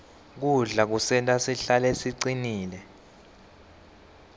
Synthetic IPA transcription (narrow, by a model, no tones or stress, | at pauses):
k̬uɮak̬usɛntʼasiɬalɛsiǀiniːlɛ